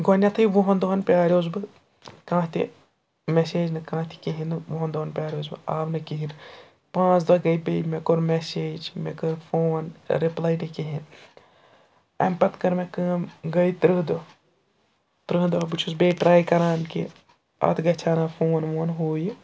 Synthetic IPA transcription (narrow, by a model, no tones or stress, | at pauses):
ɡɔnʲjɐt̪ʰɨiʋuɦɐnd̪ɐnpʲjaːɾʲoːzbɨ | kãːt̪ʰḭ | meseːd͡ʒnɨkãːt̪ʰi̥kiɦinɨʋoɦɐnd̪oɐnpʲjaːɾʲoːzbɨ̰aːbnɨkiɦin | pãːt͡ʃd̪ʋɐɡɐjbejmekoɾmeseːd͡ʒmḛkɐɾfʰoːnɾiplaːjnikiɦin | ɐ̰mpɐt̪kɐɾmekɐːmɡɐjt̪ɾɨɦd̪o | t̪ɾɨɦd̪oɐbɨt͡ʃʰusbeːʈɾaːjkɐɾaːnkḭ | ɐ̰t̪ʰɡɐt͡ʃʰaːnafʰoːnʋoːnɦoːji